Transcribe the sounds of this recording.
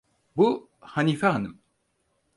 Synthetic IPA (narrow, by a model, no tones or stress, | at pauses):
bu | hanifaɦanɯm